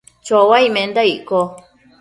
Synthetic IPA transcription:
t͡ʃowaimẽnd̪aiʔko

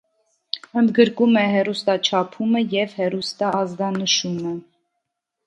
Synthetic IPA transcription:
ənd̪ɡəɾkumɛɦɛrust̪ɑt͡ʃʰɑpʰuməjɛvhɛrust̪ɑːzɡ̪ɑnəʃumə

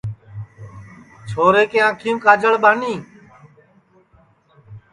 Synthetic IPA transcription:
t͡ʃʰoːɾeːkẽːãːkʰĩːkaːd͡ʒəɭɓaːniː

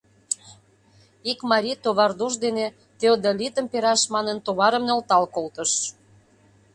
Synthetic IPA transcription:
ikmɑɾʲit̪oβɑrd̪uʒd̪ene | t̪eod̪olʲit̪əmpeɾɑʃmɑnənt̪oβɑɾəmnolt̪ɑlkolt̪əʃ

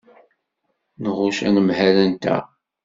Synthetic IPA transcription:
nəʁʊʃæ̰nəmhælænt̪æ̰

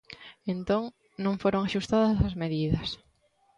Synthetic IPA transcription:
ẽnt̪õŋ | nõŋfoɾoŋaʃust̪aðɐsɐzmeðiðɐs

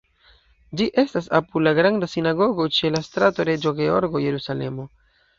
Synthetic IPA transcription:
d͡ʒiʔe̞stas̬apulaɡɾandasinaɡo̞ɡo̞t͡ʃe̞lastɾato̞ɾe̞d͡ʒoɡe̞o̞̰ɾɡo̞je̞ɾusale̞̰mo̞

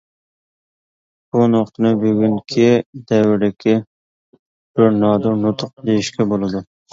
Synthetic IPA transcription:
b̥unoqt̪ʰɨnɨbyɡʲyŋkʲʰid̪ɛwɪɾd̪ɪkʲʰɪ | b̥ɪɾnɑːd̪unʊt̪ʰʊq̚d̪ejiʃkʲɛbolˠɨd̪ʊ

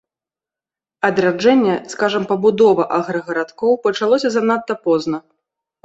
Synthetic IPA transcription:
ɐd̪ɾad͡ʐɛnʲːɛskaʐɐmpɐbud̪ɔvɐʔaɣɾɐɣɐɾat̪kɔwpɐt͡ʂalˠɔsʲɐzan̪at̪ːɐpɔznɐ

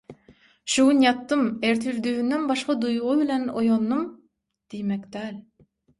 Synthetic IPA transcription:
ʃuwunjɑt̪ːɯmeɾt̪ʰyɾd̪yynd̪ænbɑʃqɑd̪ujuʁubilænojonːɯm | d̪̥ijmækd̪æːl

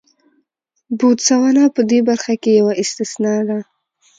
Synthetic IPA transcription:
but̪sawanapəd̪ebaɾxakejawaʔɪst̪ɪsnɑd̪a

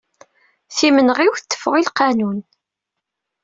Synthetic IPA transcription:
θimənəʁiwθət̪ːə̥fːəʁilqɑnun

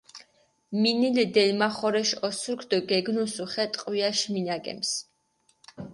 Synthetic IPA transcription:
minilɛd̪ɛlmaχɔɾɛʃɔsuɾkʰd̪ɔɡɛɡnusuχɛt̪ʼqʼwiaʃminaɡɛ̰ms

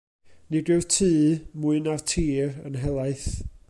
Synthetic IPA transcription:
nidɪ̥tʰɨːmʊɨnartʰiːrənɦɛlˠaɨθ

